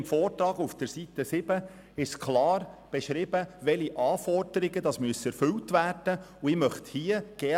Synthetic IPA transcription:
mfɔːrtɾɑːɡufd̥əɾsit̪əsɪb̥ə | ɪʃkʰlɑːɾb̥ɛʃɾɪbəʋɛliʔɑːfɔrd̥əɾiɡədɑsmyəsɛɾfʏltʋæːrd̥ə | uɪmœχt̪hiːəɡ̥ɛː

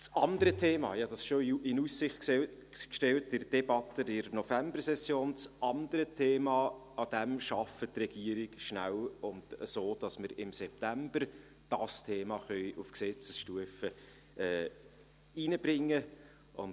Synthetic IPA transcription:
t͡sɑndəɾətʰeːmɑ̰ːjɑd̥ɑsɪʃoɪnusːɪχ | kʃtɛlt̚dɪɾd̥ɛbɑt̪ədɪɾnɔfæmbərsɛsjoːnt͡sʔɑndəɾətʰeːmɑː | ɑd̥ɛmʃɑfətrɛɡ̥iəɾɪɡʃnæ̰wʊndəsoːd̥ɑsməɾɪmsɛp̚tæmbər | d̥ɑstʰeːmɑχœʏʔufksɛt͡səsʃtuəfə | ʔɛː | inəb̥ɾɪŋːə | ʔʊ̰n

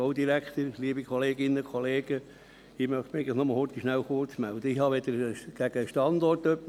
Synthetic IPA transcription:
oʊd̪iɾækχt̪əɾliəbikʰɔleːɡɪnːəkʰɔleːɡ̥ə | ɪmœχt̪meɪɡləxnoməl̩hort̪iʃnæwχʊrt͡smæld̪əɪhɑʋed̪əɾɡ̥æɡ̥əʃtɑndɔrtœpː

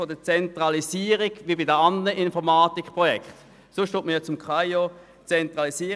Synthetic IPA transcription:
odət͡sɛntʁɑlisiːəʁiɡ̥ʋibidəɑnd̪ənəʔɪnfɔʁmaːt̪ikpʁɔjɛkχt̪ | sʊʃtutməjɑt͡sʊmkʰʁaɪjo | t͡sɛnt̪ʁɑlisiː

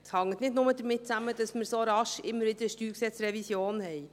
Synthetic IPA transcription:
hɑŋːət̪nɪdnʊməd̪əɾmɪt̚t͡sæmədɑsmɪɾsoɾɑʃɪmːəɾʋɪd̥̪əɾʃtyːɾksɛt͡sɾɛvisjoːnhɛɪ

